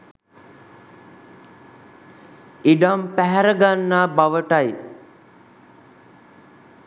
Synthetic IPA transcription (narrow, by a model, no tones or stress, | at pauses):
iɖampæɦæɾəɡanːaːbaʋəʈaj